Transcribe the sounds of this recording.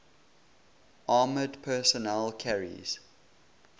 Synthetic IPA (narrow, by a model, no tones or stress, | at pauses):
ʔɑːmədpʰɜːsɔnɛlkʰæɹḭz̥